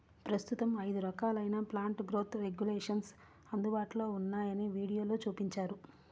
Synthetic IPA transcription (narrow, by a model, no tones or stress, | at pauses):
pɾɐst̪ut̪ɐmɐjd̪uɾɐkaːlɐjnaːplaːɳʈɡɾo̞ːt̪ɾe̞ɡjulɛːʂɐns | ɐnd̪ubaːʈlo̞ːunːaːjɐniʋiːɽijo̞ːloːt͡ʃuːpiɲt͡ʃaːɾu